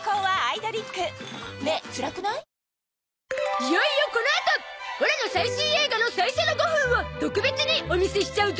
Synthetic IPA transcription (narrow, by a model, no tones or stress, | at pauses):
koːβaːid̪o̞ɾʲikːɯ̟met͡sɯɾakɯ̟na | ijaijokonaet̪aoɾeno̞saiɕĩɰe̞ːɡano̞saisenoɡoɸɯ̃ɯɰ̃βat̪o̞kɯ̟be̞t͡sɨɲ̟io̞mʲise̞ɕi̥t͡ɕaɯ̟t̪